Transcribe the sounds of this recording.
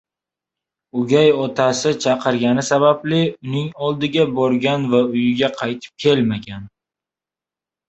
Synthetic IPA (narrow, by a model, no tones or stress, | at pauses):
ʊɡʲajɒt̪ʰasɪt͡ʃʰɑqʰɨɾɡʲanɪsabaplɪʊnɪŋɒlˠd̪ɪɡʲabɒɾɡʲanvaʊjɪɡʲaqʰɑjt̪ʰɪ̥p̚kʲʰe̞lmaɡʲan